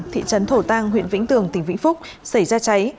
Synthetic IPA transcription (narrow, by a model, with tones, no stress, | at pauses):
t̪ʰḭ˧˨t͡ɕə˨˦nt̪ʰo˧˩t̪aː˧ŋɦwḭ˧ənvḭ˧˥ŋ̟t̪ɨ˨˩əŋt̪ï˧˩ŋ̟vḭ˧˥ŋ̟fʊ˦˥k͡p̚sa˧˩jzaː˧t͡ɕa˨˦j